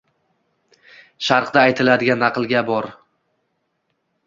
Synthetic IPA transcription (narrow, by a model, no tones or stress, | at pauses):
ʃaɾqd̪aːjt̪ʰɪlad̪ɪɡʲanːɑqɨlˠɡʲabɒɾ